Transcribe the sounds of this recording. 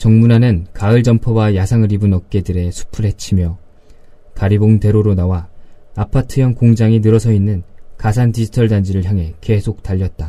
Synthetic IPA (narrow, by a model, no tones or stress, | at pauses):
t͡ɕʌŋmunanɯnkaɯɭd͡ʑʌmpʰʌwajasʰaŋɯɾibunʌk̚k͈e̞dɯɾe̞sʰu̥pʰɯɭɦe̞t͡ɕʰimjʌ | kaɾiboŋde̞ɾoɾonawaːpʰatʰɯjʌŋkoŋd͡ʑaŋinɯɾʌsʰʌinːɯnkasʰandid͡ʑʰi̥tʰʌɭdand͡ʑiɾɯɭçjaŋɦe̞ke̞sʰok̚taʎːʌt̚t͈a